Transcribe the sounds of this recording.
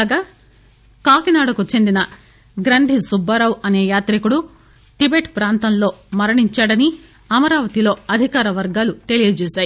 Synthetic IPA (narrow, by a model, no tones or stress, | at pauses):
ɡaː | kaːkinaːɽukut͡ʃe̞nd̪inɐ | ɡɾɐnd̪ʱisubːɐɾɐwɐne̞ːjaːt̪ɾikuɽu | ʈibeːʈpɾaːnt̪ɐnlo̞ːmɐɾɐɳiɲt͡ʃaːɽɐni | ɐmɐɾaːʋɐt̪ilo̞ːɐd̪ʱikaːɾɐʋɐɾɡaːlut̪e̞lijɐd͡ʒɛːʃaːji